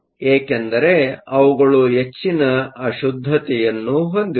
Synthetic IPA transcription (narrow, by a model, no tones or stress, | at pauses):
eːkend̪ɐɾe̞ɐʋuɡɐɭuɦe̞t͡ʃːinɐɐʃud̪ʱːɐt̪ɛjɐnːuɦo̞nd̪i